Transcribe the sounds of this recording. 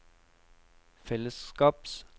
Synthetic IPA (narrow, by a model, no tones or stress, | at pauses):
fɛləskɑːb̥s